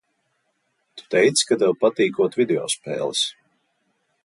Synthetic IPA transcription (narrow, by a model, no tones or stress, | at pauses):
t̪u̥t̪ɛjt̪skad̪ɛwpat̪iːkuɔt̪vʲid̪eɔ̰spɛ̰ːlˠis